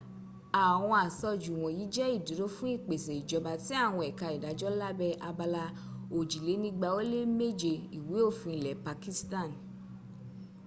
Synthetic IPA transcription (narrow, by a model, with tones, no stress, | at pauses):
a˨w̃ɔ̃˧a˨sɔ˧d͡ʒu˨w̃ɔ̃˨ji˨˦d͡ʒɛ˦i˦˨di˨˦ɾo˦fũ˦i˦˨k͡pe˨sɛ˨i˨d͡ʒɔ˨ba˨ti˨˦a˦˨w̃ɔ̃˧ɛ˨ka˧i˨da˨˦d͡ʒɔ˦la˦bɛ˧ʔa˧ba˧la˧ | o˨d͡ʒi˨le˨˦nĩ˦ɡ͡ba˧o˦le˦me˦d͡ʒe˨i˨we˨˦o˦˨fũ˧i˨lɛ˨pa˧ki˦stã˦˨n